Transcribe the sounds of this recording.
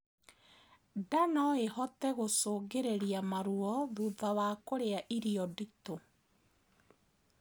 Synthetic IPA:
danɔehɔtɛɣosoːɡeɾeɾiamaɾuɔðuðawakoɾeaʔiɾiɔdito

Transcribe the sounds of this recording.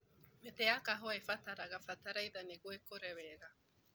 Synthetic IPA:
met̪eakaɦoaefat̪aɾaɡafat̪aɾajðaneɡwekoɾeβeɡa

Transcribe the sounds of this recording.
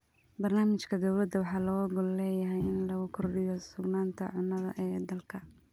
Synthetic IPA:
bɐrnaːmɪt͡ʃkʰɐd̪ɐwlɐd̪ɐwɑħɑːlɔːɡʊllɛːjɐɦɛjɪnlɐɣʊkʰʊrɖɪjɔsʊɡnaːnt̪ʰɐ̰ʕʊnːɐðɐ̰ʔɛːd̪ɐlkʰɐ

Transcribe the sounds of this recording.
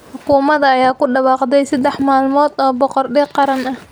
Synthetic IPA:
ħʊkʰuːmɐðɐːjaːkʊɖɑwɑːqd̪ɛjsɐd̪ɛħmaːlmɔːd̪ɔːbɔqɔrɖɛqɑɾɐnɐh

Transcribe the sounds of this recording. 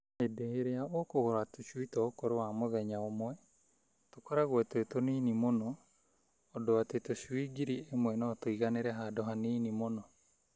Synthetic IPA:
edeheɾeaokoɣoɾatoʃwitɔokoɾowamoðɛɲaomwɛ | tokɔɾaɣwɛtoetoniːnimonɔː | doatetoʃwiɡiɾiemwɛnɔtoiɣaneɾɛɦadoɦaniːnimonɔ

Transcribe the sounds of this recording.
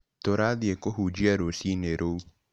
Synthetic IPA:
toɾaðiekoɦuːd͡ʒiaɾosineɾʔou

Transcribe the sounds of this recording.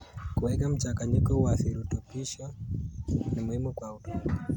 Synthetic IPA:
kuwɛkam̩t͡ʃakaɲikɔwaθiɾutɔpiʃa | nimuhimukwautɔ

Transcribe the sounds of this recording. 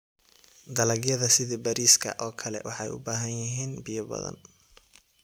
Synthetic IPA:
d̪ɐlɐɡjɐðɐsɪðibɐɾiːskʰɐ̰ʔɔːkʰɐlɛ̰wɑħɑjʊ̰baːɦɐnjɪɦiːnbɪjɐbɐ̰ðɐ̰n

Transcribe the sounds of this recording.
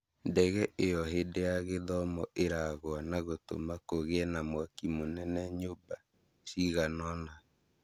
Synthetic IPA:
ndɛɣɛʔejɔɦedeaɣeðɔmɔʔeɾaɣwanaɣoto̰makoɣeɛnamwakimonɛnɛɲoba | siɣanɔna

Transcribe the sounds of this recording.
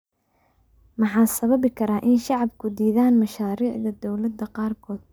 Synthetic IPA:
mɑħɑːsɐβɐβɪkʰɐɾaːʔɪnʃɑʕɑbkʰʊd̪iːðaːnmɐʃaːɾiːʕðɐd̪ɔwlɐd̪ɐqɑːrkʰɔːd̪̥̚

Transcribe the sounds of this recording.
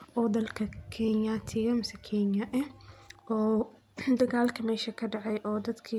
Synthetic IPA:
ʔɔːd̪ɐlkʰɐkʰɛnjaːt̪ʰɪɣɐmɪsɛkʰɛnjɐʔɛʔɔː | d̪ɐɣaːlkʰɐmɛːʃɐkʰɐɖɑʕɑjʔɔːd̪ɐd̪kʰi

